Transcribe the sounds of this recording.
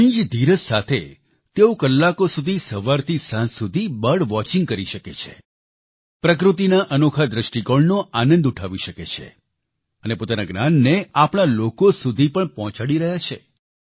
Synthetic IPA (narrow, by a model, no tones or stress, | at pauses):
ə̃d͡ʒd̪ʱiɾəssat̪ʰe | t̪eokəlːakosud̪ʱisəʋaɾt̪ʰisãnsud̪ʱibəɽʋɔt͡ʃĩŋɡ̚kəɾiʃəket͡ʃʰḛ | pɾək̬ɾut̪̬inaʔənokʰad̪ɾəʃʈiɡoɭnoanə̃nd̪uʈʰaʋiʃəket͡ʃʰḛ | ənepot̪anaɡnanːeapɳ̃alokosud̪ʱipəɳpɔɦɔ̃t͡ʃaɽiɾəɦjat͡ʃʰḛ